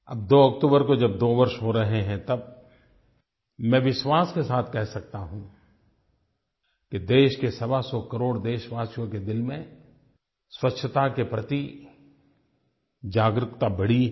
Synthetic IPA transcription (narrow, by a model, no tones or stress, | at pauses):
ɐ̰b̚d̪oːɐk̚ʈ̪uːbəɾkod͡ʒɐb̚d̪oːʋɐɾʃɦoɾɐɦeɦɛ̃t̪ɐb̚ | mɛ̃ːʋɪʃwaːskesaːt̪ʰkɛɦsɐk̚t̪aɦũː | ked̪eːʃkesɐbasɔkɐɾoːɽd̪eːʃʋaːʃjõked̪ɪlmẽ | swɐtːʃʰət̪akepɾɐt̪i | d͡ʒaːɡɾɪkt̪abɐɽi